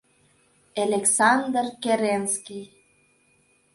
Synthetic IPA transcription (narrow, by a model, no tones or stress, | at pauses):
elʲeksɑnd̪rkeɾenskʲij